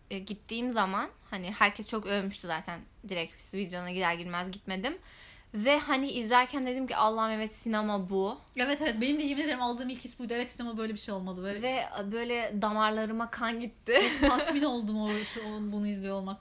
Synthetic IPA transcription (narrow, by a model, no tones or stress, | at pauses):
ɟit̪ʰːiːmzamanhanihæɾcʰɛst͡ʃʰo̞kølʲmyʃt̪ʰuzaːt̪ʰæn | d̪iɾɛcfi̥svid̪jo̞naɟid̪æɾɟilʲmæzɟit̪me̞d̪im | vɛhaniʔizlʲæɾcʰænd̪e̞d̪imcʰḭʔalˠːahmevɛt̪sinamabu | ɛvɛt̪ɛvɛt̪be̞nimd̪ejimd̪eeɾimalˠd̪ɯːmilʲcʰisibud̪evɛt̪sinemabø̞jlʲebiʃejo̞lˠmad̪ˠɯbølʲvɛbø̞jlʲɛd̪amaɾlˠaɾɯmakʰanɟit̪ʰːɪokt̪ʰat̪mino̞lˠd̪umoʃuonbunuizlʲijo̞lˠmak